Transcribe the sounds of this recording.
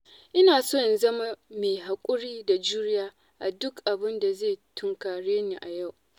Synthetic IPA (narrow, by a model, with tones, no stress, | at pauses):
ʔɪ˦naː˨soː˦ɪ˨nzɐ˦ma˦meː˨ɦa˨kʷʼʊ˦ɽiː˦da˨d͡ʒuː˦ɾɪ˦jaː˦ | ʔa˨dʊ˦kʔa˨bɪ˦nda˨zeː˦˨tʰʊ˦ŋkaː˨ɽeː˦neː˨ʔa˨ja˦˨w